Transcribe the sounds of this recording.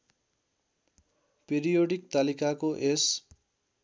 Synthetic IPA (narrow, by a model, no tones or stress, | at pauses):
peɾijoɽik̚t̪alikakoʔes